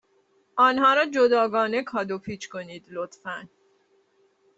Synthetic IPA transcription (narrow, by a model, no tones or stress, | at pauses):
ɒːnhɒːɾɒːd͡ʒod̪ɒːɡɒːne̞kʰɒːd̪opʰiːt͡ʃʰkʰoniːd̪lot̪fæn